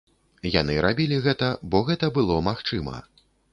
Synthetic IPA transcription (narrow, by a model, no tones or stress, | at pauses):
janɨɾabʲilʲiɣɛt̪ɐbɔɣɛt̪ɐbɨlˠɔmaxt͡ʂɨmɐ̰